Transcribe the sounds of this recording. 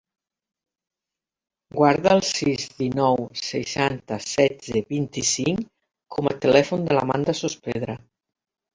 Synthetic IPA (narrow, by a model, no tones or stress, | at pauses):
ɡwaɾðəːlˠsizðinɔwsə̰ʃant̪əsɛd͡zəβint̪isiŋ | kʰɔmət̪əlɛfund̪əla̰mand̪əsuspeðɾə